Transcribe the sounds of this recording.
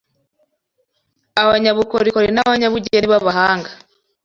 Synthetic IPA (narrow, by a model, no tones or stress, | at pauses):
aβaɲaβukoɾikoɾinaβaɲaβuɟeniβaβahaːŋɡa